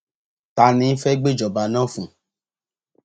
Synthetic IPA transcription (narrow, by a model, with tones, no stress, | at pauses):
ta˧nĩ˧˦fɛ˦ɡ͡be˦˨d͡ʒɔ˨ba˨˧nã˦fũ˨